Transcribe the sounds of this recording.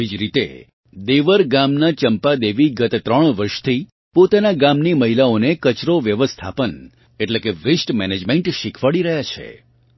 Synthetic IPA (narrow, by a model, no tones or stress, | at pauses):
ʋid͡ʒɾit̪ḛ | d̪eʋəɾɡamnat͡ʃəmpad̪eʋiɡət̪t̪ɾəɳ̃ʋəɾʃt̪ʰi | pot̪anaɡamniməɦilaonekət͡ʃɾoʋjəʋəst̪ʰa̰pən | eʈlekeʋɾisʈmɛned͡ʒmeɳʈʃikʰʋaɭiɾəɦjat͡ʃʰḛ